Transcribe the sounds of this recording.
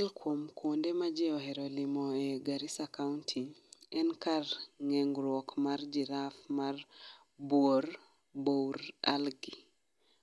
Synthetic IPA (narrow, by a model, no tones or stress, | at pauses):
alkwomkʰondemad͡ʒɛɔɦeɾolimoɛɡaɾisakauntʰiɛnkarŋɛŋɡɾwɔkmard͡ʒiɾafmar | bwoɾ | bowɾa̰lɡi